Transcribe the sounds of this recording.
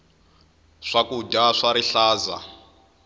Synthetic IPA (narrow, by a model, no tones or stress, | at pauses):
ʂakuɟaʂaɾiɬaːza̰